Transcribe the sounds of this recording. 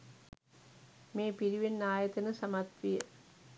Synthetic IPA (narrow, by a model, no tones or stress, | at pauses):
meːpiɾiʋenːaːjɐt̪ɐnəsɐmɐt̪ʋijə